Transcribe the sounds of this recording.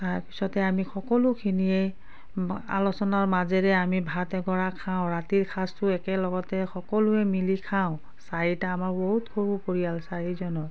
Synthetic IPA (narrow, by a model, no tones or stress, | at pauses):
taɹpi̥sɔtɛamixɔkɔlʊkʰiniɛ | a̰lɔsɔnaɹmazɛɹɛamibʱatɛɡɔɹakʰaʊ̃ɹatiɹkʰastʊɛkɛlɔɡɔtɛxɔkɔlʊɛmilikʰaʊ̃ | saɹitaːmaɹboɦutkʰoɹupoɹijalsaɹizɔnɔ